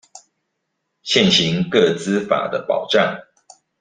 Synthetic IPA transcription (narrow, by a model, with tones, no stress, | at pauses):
ɕjɛ˥˨nɕi˨˦ŋkɤ˥˨t͡sɹ̩˦fa̰˨˩d̪ə˦pɑ˨˩ʊʈ͡ʂa˥˨ŋ